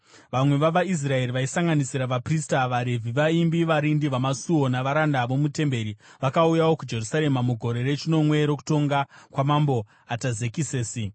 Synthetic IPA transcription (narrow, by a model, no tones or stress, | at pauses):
ʋamwe̞ʋaʋais̬rae̞ɾiʋaisaŋɡanisiɾaʋapristaʋaɾe̞vʱiʋaimbiʋaɾindiʋamasuo̞naʋaɾandaʋo̞mute̞mbe̞ɾiʋakaujawo̞kud͡ʒe̞rusaɾe̞mamuɡʱo̞ɾe̞re̞t͡ʃino̞mwe̞ɾo̞k̬u̥to̞ŋɡakwamambo̞ | atazekiseːsi